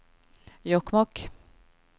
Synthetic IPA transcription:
jɔkmɔk

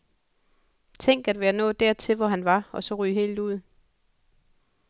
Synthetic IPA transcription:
t͡sʰeŋ̰ɡ̥æd̥ʋejæɐnɔ̰̽ːd̥æɐ̰t͡sʰe̝lʋɒɦænʋɑ̈ɒ̽sɒ̽ʁyːɦe̝̰ːld̥uð̰ˠ

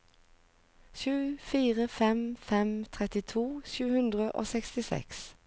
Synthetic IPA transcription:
ʃʉːfiːʁəfɛmfɛmt̪ʰʁɛt̪ɪt̪ʰuːʃʉːhʉnd̪ʁəʔo̰ːsɛkst̪ɪsɛ̰ks

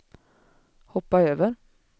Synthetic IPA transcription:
hɔpɑøːʋəɾ

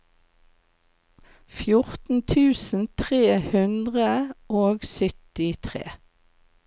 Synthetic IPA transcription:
fjʊʁt̪n̩t̪ʰʉːsn̩t̪ʰʁeːhʉnd̪ʁəʔoːɡsʏt̪ɪt̪ʰʁḛː

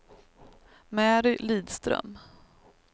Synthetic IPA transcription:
mæːɾɪliːd̪st̪ɾœ̰m

